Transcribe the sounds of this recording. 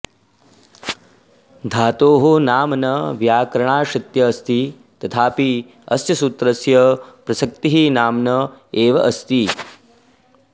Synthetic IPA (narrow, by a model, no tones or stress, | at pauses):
d̪ʱaːt̪oːɦonaːmnɐʋjaːkɾɐɳaːʃɐt̪jɐːst̪i | t̪ɐt̪ʰaːpi | ɐsjɐsut̪ɾɐsjɐpɾɐsɐk̚t̪iɦinaːmnɐeːʋɐʔɐst̪i